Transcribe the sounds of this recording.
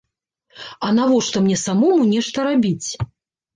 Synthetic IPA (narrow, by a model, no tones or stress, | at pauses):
ɐnavɔʂt̪ɔmnʲɛsamɔmunʲɛʂt̪ɐɾabʲit͡sʲ